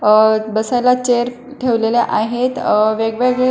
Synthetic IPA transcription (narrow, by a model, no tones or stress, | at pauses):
bəsajlat͡ɕeəɾ | ʈʰeʋleleʔaɦet̪ʋeɡʋeɡɭe